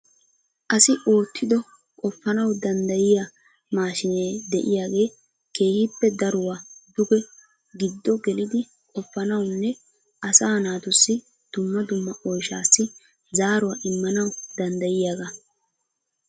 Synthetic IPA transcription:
ʔɐsɪʔo̞ːt̪ʰːɪd̪ɔ | kʼɔpːɐnɐwd̪ɐnd̪ɐjɪja | maːʃɪneːd̪ɛʔɪjaːɡe̞ː | kʰe̞ːhɪpːɛd̪ɐɾʊwad̪ʊɡɛ | ɡɪd̪ːɔɡɛlɪd̪ɪ | kʼɔfːɐnɐwnːɛ | ʔɐsaːnaːt̪ʊsːɪ | d̪̥ʊmːɐd̪ʊmːɐʔɔjʃa̰ːsːɪ | zaːɾʊwaːʔɪmːɐnɐwd̪ɐnd̪ɐjɪjaːɡa

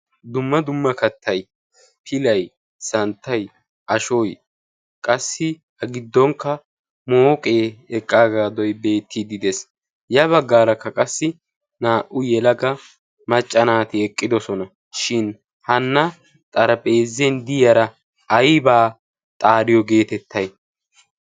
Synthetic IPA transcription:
d̪ʊmːɐd̪ʊmːɐkɐt̪ʰːɐj | pʰɪlɐj | sɐnt̪ːɐj | ʔɐʃɔj | kʼɐsːɪ | hɐɡɪd̪ːɔŋkːɐ | moːkʼe̞ːɛkʼːaːɡaːd̪ɔjbe̞ːt̪ʰːɪd̪ɪd̪ɛs | jɐβɐɡːaːɾɐkːɐkʼɐsːɪ | naːʔʊjɛlɐɡɐ | mɐt͡ʃʼːɐnaːt̪ɪɛkʼːɪd̪ɔsɔnɐ | ʃɪn | hɐnːɐ | t̪ʼɐɾɐpʼe̞ːzːɛnd̪ɪjɐɾɐ | ɐjbaː | t̪ʼaːɾɪjɔɡe̞ːt̪ɛt̪ːɐj

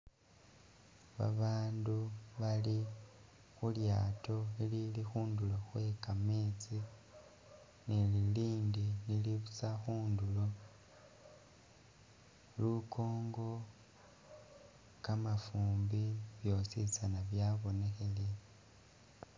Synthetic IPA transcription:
βa̰βaːnduβali | xulja̰ːto̞ililixuːnduloxwe̞kameːt͡si | nililiːndiniliβut͡saxuːndulo̞ | lukʰo̞ːŋɡo̞ | kamafuːmbiβjo̞sit͡sanaβjaβo̞ne̞xe̞le

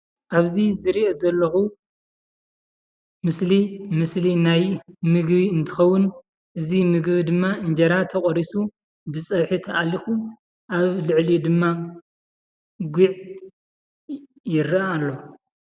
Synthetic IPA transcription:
ʔaβzizɨɾiʔezɐlːɐxu | mɨslimɨslinajmɨɡbiɨnt̪ʰɨ̥xɐwːʊn | ʔɨzimɨɡbid̪ɨmːaɨɲd͡ʒɐɾat̪ʰɐχʼɔɾisu | bɨt͡sʼɐβħit̪ʰɐʔalːixu | ʔaβlɨʕlid̪ɨmːa | ɡʷiʕ | jɪɾiaalːo

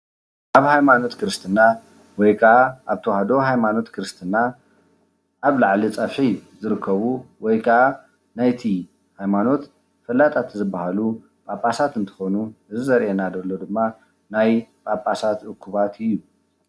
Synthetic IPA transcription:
ʔaβhajmano̞t̪kʰɨɾɨst̪ʰɨnːa | wɔjkʰɐaʔaβt̪ʰɐwahad̪o̞ɦajmano̞t̪kʰɨɾɨst̪ʰɨna | ʔaβlaʕlit͡sʼɐfħizɨɾɨkʰːɐβuwɔjkʰɐʔa | najt̪ʰi | hajmano̞t̪ | fɐlːat̪ʼat̪ʰzɨbːahalu | pʼapʼasat̪ɨnt̪ʰɨ̥xonuʔɨzɨzɐɾʔenad̪ɐlːo̞d̪ɨmːa | najpʼapʼasat̪ʔɨkʰːuβat̪ʰɨjːu

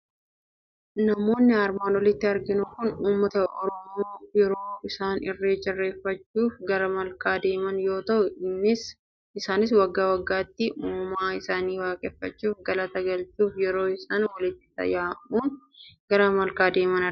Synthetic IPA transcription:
nɐmo̞ːnːɪɐɾmaːnwɔlɪt̪ːɪɐɾɡɪnʊkʊnuːmːɐt̪ɐʔɔɾɔmooːjɛɾo̞ːɪsaːnɪrːe̞ːd͡ʒɪrːe̞ːfːɐt͡ʃːuːfɡɐɾɐmɐlkaːd̪e̞ːmɐnjo̞ːt̪ɐʔʊɪmːɪs | ɪsaːnɪs̬wɐɡːaːwɐɡːaːt̪ːɪmuːmaːɪsaːniːwaːkʼɛfːɐt͡ʃːuːfɡɐlɐt̪ɐɡɐlt͡ʃuːfjɛɾo̞ːɪsaːnwɐlɪt̪ːɪ̥t̪ɐ̰jaːʔuːn | ɡɐɾɐmɐlkaːd̪e̞ːmɐnɐ

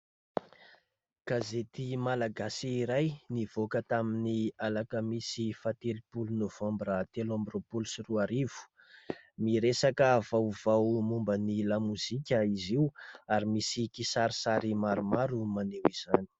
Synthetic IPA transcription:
ɡ̥azet̪imalaɡasiːɾajniv̥okət̪aminialakəmisifat̪elipulunovambɾat̪elãmbropulusiruaɾiv̥u̥ | miɾesakəvawv̥awmumbənilamuz̥ikʲəiziwaɾimisikisaɾisaɾimaɾumaɾumanewiz̥ani̥

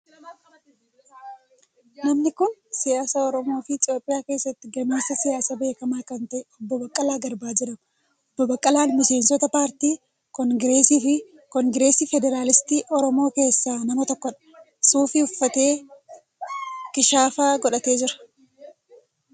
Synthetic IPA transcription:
nɐmnɪkʊnsɪjaːsaːɔɾɔmo̞ːfɪːt̪ʼɪo̞ːpʼːɪjaːke̞ːsːɐt̪ːɪɡɐmeːsːɐsɪjaːsabe̞ːkɐmaːkɐnt̪ɐʔɛɔbːɔbɐkʼːɐlaːɡɐɾbaːd͡ʒɪɛᶑɐm | ɔbːɔbɐkʼːɐlaːnmɪse̞ːnsɔt̪ɐpaːɾt̪iː | kɔŋɡɾeːsiːfɪ | kɔŋɡɾe̞ːsiːfɛd̪ɛɾaːlɪst̪iːʔɔɾɔmo̞ːke̞ːsːaːnɐmɐt̪ɔkːɔᶑɐ̥ | suːfɪʊfːɐt̪e̞ː | kɪʃaːfaːɡɔᶑɐt̪e̞ːd͡ʒɪɾɐ̥

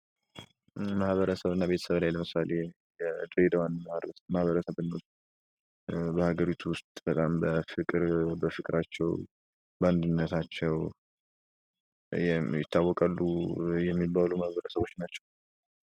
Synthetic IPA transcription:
mahβəɾəsəβɨnːabe̞t̪ʰə̥səβlajləmɨsale | jɛd̪ɾed̪əwanmahmahβəɾəsəβɨnːawst̪ | bəhaɡəɾit̪ʰuwʊst̪ʼb̥ət̪ʼambəfɨkʼɨɾbəfɨkʼɾat͡ʃːɛw | band̪ɨnːət̪ʰat͡ʃːɛw | jjɪt̪ʰːawːɔkʼalːujɛmːibːaluməhβəɾəsəβo̞t͡ʃːnat͡ʃːɛw

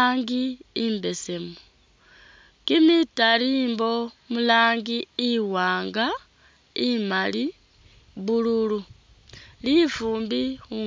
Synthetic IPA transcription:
aːŋɡiːmbe̞se̞mu | kimitaliːmbo̞mulaːŋɡiiwaːŋɡa | imali | βululu | lifuːmbixu

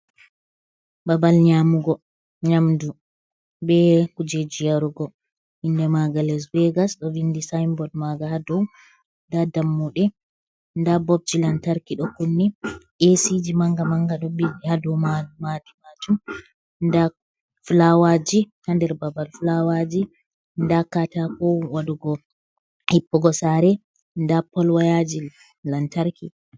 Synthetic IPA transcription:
babalɲamuɡɔ | ɲamdu | bɛkud͡ʒed͡ʒijaɾuɡɔ | indɛmaɡalɛs̬wɛɡasɗɔvindisajmbɔdmaɡahadɔw | ndadamːuɗɛ | ndabɔb̚d͡ʒilantaɾkiɗɔkunːɛʔesid͡ʒimaŋɡamaŋɡaɗɔbihadɔwmamadimat͡ʃum | nda | flawad͡ʒihandɛɾbabalflawad͡ʒi | ndakatakɔwaɗuɡɔ | hipːɔɡɔsaɾɛ | ndapɔlwajad͡ʒi | lantaɾki

